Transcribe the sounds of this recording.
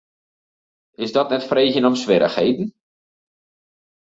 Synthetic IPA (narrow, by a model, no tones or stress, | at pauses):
ɪsdɔtnɛtfreːxjənɔmsʋɪɾə̰xhejdn̩